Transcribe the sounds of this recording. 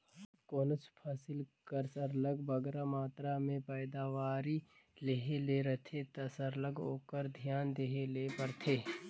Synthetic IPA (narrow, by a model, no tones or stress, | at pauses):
ə | koːnət͡ʃpʰaːsɪlkəɾsəɾləɡbəɡɾamaːt̪ɾamẽpɛɪd̪aːʋaːɾi | leɦeleɾɐt̪ʰet̪ɐsəɾləɡo̰ːkəɾd̪ʱjaːnd̪eɦelepəɾt̪ʰeː